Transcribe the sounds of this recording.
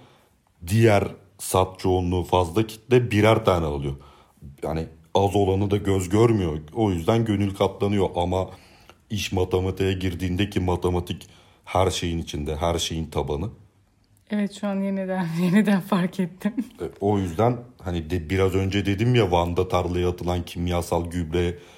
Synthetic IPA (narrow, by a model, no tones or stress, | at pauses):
d̪ijæɾ | sat̪̚t͡ʃʰoːnlːˠuːfazlˠacʰi̥t̪ːd̪ɛbiɾæɾt̪ʰaːnɛalˠɯjo̞ | ja̰ni | azo̞lˠanɯd̪aɟøzɟøɾmyjoo̞jyzd̪ænɟø̞nylʲkʰap̪lˠanɯjo̞ʔama | iʃmat̪ʰemat̪ʰejaɟiɾd̪iːnd̪ɛcʰimat̪ʰemat̪ʰic | hæɾʃe̞jinit͡ʃʰind̪ɛɦæɾʃe̞jint̪ʰabanɯ | ɛvɛt̪ʃuanjenid̪ænjenid̪ænfaɾcʰet̪ʰːimɛo̞jyzd̪ænhanid̪ɛbiɾazø̞nd͡ʒɛd̪e̞d̪imjavand̪at̪ʰaɾlˠɯjaːt̪ʰɯlˠancʰimjaːsalˠɟyblʲɛ